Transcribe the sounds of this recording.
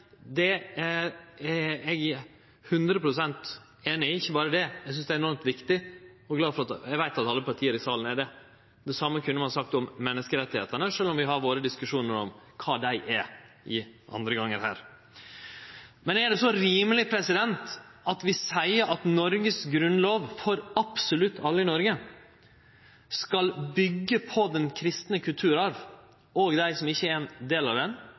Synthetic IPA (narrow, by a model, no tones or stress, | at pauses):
d̪ɛæ | ɛɡ | hʉnd̪ɾəpʰɾʊsɛnt̪ | eːnɪɪçːəbɑːɾəd̪ɛɛɡsʏnsd̪ɛæːɾɛnɔɾmt̪ʋɪkt̪ɪɔɡlɑːfɔɾɑt̪ɛɡʋæɪt̪ɑt̪ɑlːəpʰɑɾʈ̪ʰiːəɾɪsɑːlən̩æd̪ɛ | d̪ɛsɑmːəkʰʉnːmɑnɑsɑk̚t̪ɔmːɛnːəskəɾɛt̪ːɪheːt̪əɳəʂøːlɔmʋɪɦɑɾʋoːɾəd̪ɪskʉʂuːnəɾɔmkʰɑːd̪æɪʔæ | ɪʔɑ̰nd̪ɾəɡɑŋːəɾhæːɾ | mɛnæɖɛsɔɾiːməlɪpʰɾɛsɪd̪ɛnt̪ʔɑt̪ʋɪsæɪəɾʔɑt̪nɔɾɡəsɡɾʉnloːʋfɔɾɑpsɔlʉt̪ːɑlːəɪnɔɾɡə | skɑlbʏɡːəpʰɔd̪ɛnkʰɾɪst̪nəkʰʉlt̪ʰʉːɾɑʋ | oɡd̪æɪsɔmɪçːəɛɾɛnd̪eːlɑʋd̪ɛn